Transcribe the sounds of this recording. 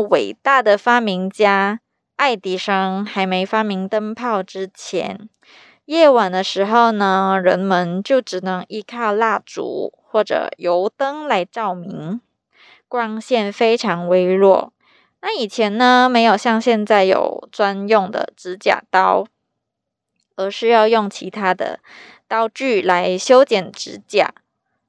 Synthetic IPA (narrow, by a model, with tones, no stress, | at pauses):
we˨˩ɪt̪a˥˩d̪ə˩fa˥mi˧˥ŋt͡ɕja˥ | a˥˩ɪt̪i˨˥˩ʂɑ˥˩ŋxa˧˥ɪme˧˥ɪfa˥mi˧˥ŋt̪ə˥ŋpʰɑ˥˩ʊʈ͡ʂɻ̩˥t͡ɕʰjɛ̰˧˥n | jɛ˥˩wa˨˩nd̪ə˦ʂɻ̩˧˥xo˥˩ʊnə˧ɻə˧˥nmə˧˦nt͡ɕjo˥˩ʊʈ͡ʂɻ̩˨˩nɤ˧˥ŋi˧˥kʰɑ˥˧ʊla˥˩ʈ͡ʂṵ˨˧˥xwɔ˥˩ʈ͡ʂɤ̰˨˩jo˧˥ʊt̪ɤ˥ŋla˧˥ɪʈ͡ʂɑ˥˩ʊmi˧˥ŋ | kwa˥ŋɕjɛ˥˩nfe˥ɪʈ͡ʂʰɑ˧˥ŋwe˥ɪlwɔ̰˥˩ | na˥˩i˨˩t͡ɕʰjɛ˧˥nnə˧me˧˥ɪjo˨˩ʊɕjɑ˥˧ŋɕjɛ˥˧nt͡sa˥˩ɪjo̰˨˩ʊt͡swa˥njʊ˥˩ŋd̪ə̰˨˩ʈ͡ʂɻ̩˧˥t͡ɕja̰˨˩t̪ɑ˥ʊ | ə˧˥ʂɻ̩˥˧jɑ˥˧ʊjʊ˥˩ŋt͡ɕʰi˧˥t̪ʰa˥d̪ə̰˧ | t̪ɑ˥ʊt͡ɕy˥˩la˧˥ɪɕjo˥ʊt͡ɕjɛ˨˩nʈ͡ʂɻ̩˧˥t͡ɕja̰˥˩